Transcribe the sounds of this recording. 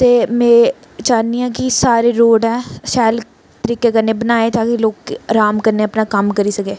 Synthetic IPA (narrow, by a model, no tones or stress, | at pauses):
t̪eːmẽː | t͡ʃaːniɦɛ̃kisaːɾeɾoːɖɦɛ̃ːʃɛːl | t̪əɾiːkekɐɾnebɐnaːet̪ʰaːkiloːɡkɾaːmkɐɾneɐpnakɐmkɐɾisɐkeː